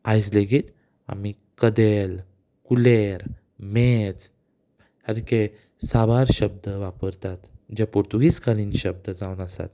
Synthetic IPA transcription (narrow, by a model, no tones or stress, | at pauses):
ajsleɡiːt̪ | a̰mi | kəd̪el | kuleɾ | met͡s | həɾke | sabaɾɕəb̚d̪əʋapəɾt̪at̪d͡ʑapuɾt̪uɡiːt͡skaɾiːnɕəb̚d̪əd͡zawnəsa̰t̪